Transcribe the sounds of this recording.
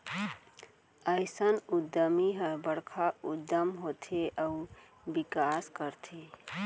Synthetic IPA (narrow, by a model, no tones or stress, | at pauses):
əɪsənud̪əmiɦəbəɽkʰaud̪ːəmɦot̪ʰeʔəu | bikaskəɾt̪ʰe